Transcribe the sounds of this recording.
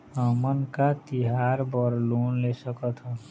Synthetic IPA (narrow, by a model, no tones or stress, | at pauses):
əmənkat̪iɦaɾbəɾluːnlesəkət̪ʰɦə